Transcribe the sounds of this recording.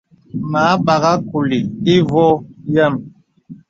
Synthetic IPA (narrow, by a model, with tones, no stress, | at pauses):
maː˨˦ɓa˨ɣa˦ku˨li˨i˦vɔ˦ja˦m